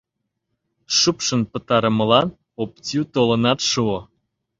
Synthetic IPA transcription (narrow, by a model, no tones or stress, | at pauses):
ʃupʃə̆npə̆t̪ɑɾə̆məlɑn | op̚t͡sut̪olə̆nɑt̪ʃuo